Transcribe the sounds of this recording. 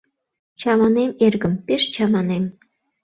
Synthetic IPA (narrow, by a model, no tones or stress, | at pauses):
t͡ɕɑmɑnemerɡə̆mpeʃt͡ɕɑmɑnem